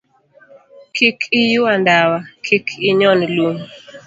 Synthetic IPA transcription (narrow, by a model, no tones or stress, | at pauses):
kʰikʰɪjuandawakʰikʰɪɲɔnlum